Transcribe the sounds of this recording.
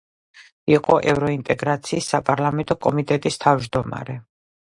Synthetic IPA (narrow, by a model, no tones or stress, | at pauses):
iqʼɔʔɛvɾɔint̪ʼɛɡɾat̪sʰiːsːapʼaɾlˠamɛnt̪ʼɔkʼɔmit̪ʼɛt̪ʼist̪ʰavd͡ʒd̪ɔma̰ɾɛ